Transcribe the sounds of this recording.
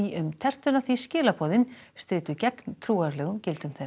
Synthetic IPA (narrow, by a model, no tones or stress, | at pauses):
iʏmt̪ʰɛr̥t̪ʏnaθviscɪːlapʰɔːðɪnst̪ɾɪːt̪ʏcɛknt̪ʰɾuːaɾlɛːɣʏmcɪlt̪ʏmθɛ